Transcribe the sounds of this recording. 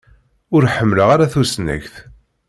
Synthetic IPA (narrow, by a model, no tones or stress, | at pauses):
ʊɾħəmːləʁaɾaθusnæ̰çθ